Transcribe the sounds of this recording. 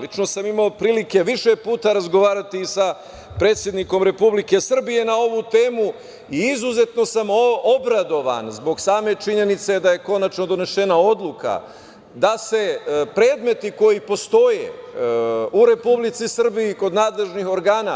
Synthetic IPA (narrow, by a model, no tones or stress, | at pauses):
lit͡ʃno̞samimaopɾiːlike̞ʋiʃe̞puːt̪aɾazɡo̞ʋaːɾat̪iːsa | pɾe̞t̪sʲje̞d̪niko̞mɾe̞publike̞sr̩bije̞nao̞ʋut̪e̞ːmu | iizuze̞t̪no̞samo̞bɾad̪o̞ʋa̰nzbo̞ɡsaːme̞t͡ʃiɲe̞nit̪se̞d̪aje̞ko̞nat͡ʃno̞d̪o̞ne̞ʃe̞nao̞d̪lˠuka̰ | d̪ase̞pɾe̞ːd̪me̞t̪iko̞jipo̞st̪o̞je̞̰ | uɾe̞publit̪sisr̩bijiko̞d̪naːd̪le̞ʒnixo̞ɾɡaːna